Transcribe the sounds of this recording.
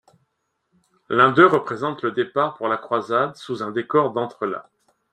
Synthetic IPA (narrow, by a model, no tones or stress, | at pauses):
lɛ̃d̪øʁəpχezɑ̃t̪ləd̪epaʁpuʁlakχwazad̪suzɛ̃d̪ekɔʁd̪ɑ̃t̪χəla̰